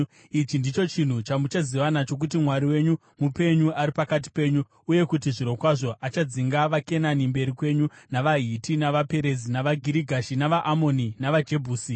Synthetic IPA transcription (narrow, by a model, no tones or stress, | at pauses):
it͡ʃindit͡ʃo̞t͡ʃin̤ut͡ʃamut͡ʃaziʋanat͡ʃo̞k̬utimwaɾiwe̞ɲu | mupe̞ɲuaɾipakat̬i̥pe̞ːɲu | uje̞kut̬iʐiɾo̞kwaʐo̞ʔat͡ʃad͡ziŋɡaʋake̞nanimbe̞ɾikwe̞ɲunaʋaɦitinaʋape̞ɾe̞zinaʋaɡʱiɾiɡʱaʃinaʋaʔamo̞ninaʋad͡ʒe̞bʱuːsi